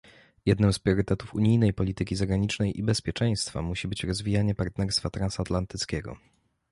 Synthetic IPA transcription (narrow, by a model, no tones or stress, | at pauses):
jɛd̪nɘmspɾʲjɔɾɘt̪ɛt̪ufuɲijnɛjpɔlʲit̪ɘkʲizaɡɾaɲit͡ʂnɛjʔibɛspʲjɛt͡ʂɛj̃st̪fa̰muɕibɘt͡ɕɾɔzvʲijaɲɛpaɾt̪nɛɾst̪fat̪ɾansat̪lant̪ɘt̪skʲɛɡɔ̰